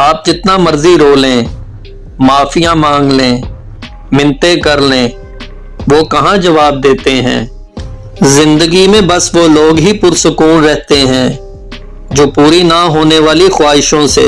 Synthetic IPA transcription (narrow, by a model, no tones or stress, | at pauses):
aːp̚d͡ʒɪt̪namɐɾziɾoːlẽː | maːfijãmãːŋɡlẽː | mɪ̃nt̪ekɐɾlẽː | ʋoːkɐɦãd͡ʒɐʋaːb̚d̪eːt̪eɦɛ̰̃ː | zɪ̃nd̪əɡimẽbɐsʋoːloːɡɦipʊɾsʊkuːnɾɛɦt̪eɦɛ̃ː | d͡ʒoːpuːɾinaɦoːneʋaːlixwaːɦɪʃõsḛː